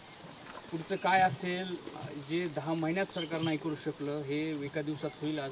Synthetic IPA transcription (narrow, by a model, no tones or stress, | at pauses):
puɾt͡səkajaseld͡ʒed̪ãməɦinjat̪səɾkaɾnajkəɾuɕəkləɦeʋekad̪iʋwsat̪ɦoila